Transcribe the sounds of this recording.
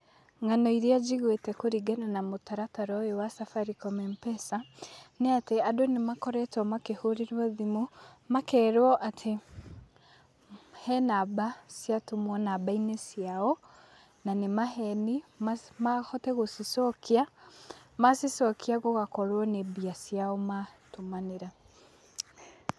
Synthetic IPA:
ŋanɔiɾiad͡ʒiɣwetɛkoɾiɡɛnanamotaɾataɾɔewasafaɾikɔmɛmpɛsaneateadonemakɔɾɛtɔmakehoɾiɾwɔðimumakɛːɾɔʔatʰe | hɛnabasiatomwɔnabainesjaɔ | nanemaɦɛnimamahɔtɛɣosisɔkia | masisɔkʰiaɣoɣakɔɾwɔnebiasjaɔmatomaneɾa

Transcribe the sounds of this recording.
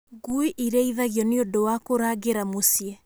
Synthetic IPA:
ɡuiʔiɾɛiðaɣjɔneodowakoɾaɡeɾamosiɛ

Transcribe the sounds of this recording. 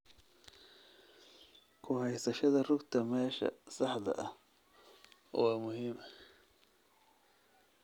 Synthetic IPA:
kʰʊhɛjsɐʃɐðɐrʊɡt̪ʰɐmɛːʃɐ̰sɑħd̪ɐ̰ʔɐh | wɑːmʊɦiːmɐ

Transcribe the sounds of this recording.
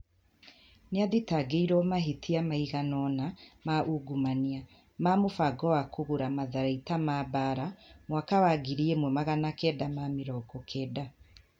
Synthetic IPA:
niaðitaɡeiɾɔmaɦitʰiamaiɣanɔnamaʔuɡumania | mamofaɡɔwakoɣuɾamaðaɾaitamabaɾamwakawaɡiɾiemwɛmaɣanakɛdamamiɾɔɡɔkʰɛːda

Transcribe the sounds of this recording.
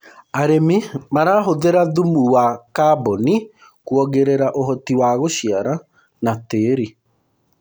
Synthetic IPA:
aɾemimaɾaɦoðeɾaðumuwakabɔni | kuɔɣeɾeɾaʔoɦɔtiwaːɣoɕiaɾa | nateːɾi

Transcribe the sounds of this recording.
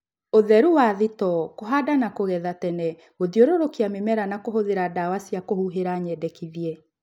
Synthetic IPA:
oðɛɾuwaðitɔkoɦadanakoɣɛðatɛnɛ | ɣoðioɾoɾokeamemɛɾanakoɦoðeɾadawasiakohuɦeɾaɲɛːdɛkiðiɛ

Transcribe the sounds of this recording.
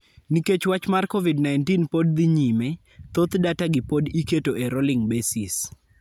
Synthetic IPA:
niket͡ʃwat͡ʃmarkovidnajntinpodd̪iɲime | t̪ot̪dataɡɪpodiketoʔeɾolɪŋbesis

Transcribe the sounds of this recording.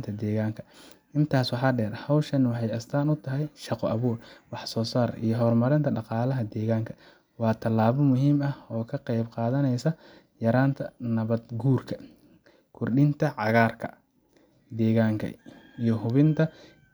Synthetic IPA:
nt̪ʰɐd̪ɛːɣaːŋkʰɐ̥ | ɪnt̪ʰaːswɑħɑːɖɛːrhɐwʃɐnwɑħɑjɐst̪ʰaːnʊt̪ʰɐɦɛjʃɑqɔʔɐβuːrwɑħsɔːsaːɾʔḭjɞɦɔrmɐɾɪnt̪ʰɐɖɑqɑːlɐɦɐd̪ɛːɣaːŋkʰɐ̥ | wɑːt̪ʰɐlaːβɔmʊɦiːmɐɔːkʰɐqɛjbqɑːðɐnɛjsɐ | jɐɾaːnt̪ʰɐnɐβɐd̪̚ɡuːrkʰɐ | kʰʊrɗɪnt̪ʰɐʕɑɣaːrkʰɐ̰ | d̪ɛːɣaːŋkʰɐ̰ijɔɦʊβɪnt̪ʰɐ

